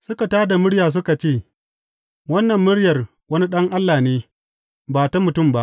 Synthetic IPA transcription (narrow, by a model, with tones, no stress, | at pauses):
sʊ˦ka˨taː˦da˨mʊ˦ɽjaː˨s̬ʊ˦ka˨t͡ʃeː˦˨ | wɐ˦nːɐ˨mːʊ˦ɽjɐ˨r | wɐ˦ni˦ɗɐ˦ŋʔa˦lːaː˨neː˦ | baː˨ta˦mʊ˨tʊ˦˨mba˦ʔ